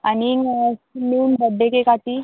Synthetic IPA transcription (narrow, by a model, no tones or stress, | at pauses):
ani | miunbəɖːekekat̪i